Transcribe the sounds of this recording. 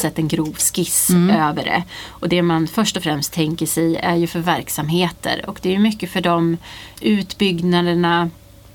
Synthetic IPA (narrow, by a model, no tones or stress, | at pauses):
sɛt̪ːɛnɡɾuːvskɪsøːvəɖɛ̰ɔd̪ɛmanfœʂʈɔfɾɛmst̪ʰːɛŋkəʂɛjæɾjɵfœɾvæɾksamɦeːt̪ə̰ɾɔ̰kd̪ɛæːjɵmʏkːəfœɖɔmʉ̟ːt̪bʏɡnad̪əɳa